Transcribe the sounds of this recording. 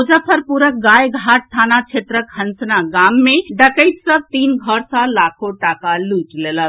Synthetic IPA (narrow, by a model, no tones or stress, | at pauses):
od͡ʒapʰəɾpuɾək̚ɡajɡʱaʈ̚t̪ʰanat͡ʃʰet̪ɾəkhənsnaɡamːeɖəkəjt̪səb̚t̪inɡʱəɾsə̃lakʰoʈakaluʈlelə